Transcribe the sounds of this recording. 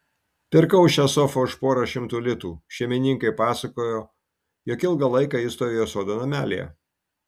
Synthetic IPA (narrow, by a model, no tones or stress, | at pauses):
pʲɪɾkɐʊʃʲɛsɔfoːʊʃpoːɾɐʃʲɪmt̪uːlʲɪt̪uːʃʲɛmʲɪnʲɪŋkɐɪpɑːsɐkoːjoː | joːkʲɪlˠɡɐlˠɐɪkɑːist̪oɾʲɪjoːsoːd̪onomʲæːlʲḛjɛ̰